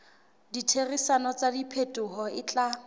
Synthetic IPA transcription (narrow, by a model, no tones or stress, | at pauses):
ditʰerisanɔt͡sadipʰetʼʊɦɔɪt͡ɬʼa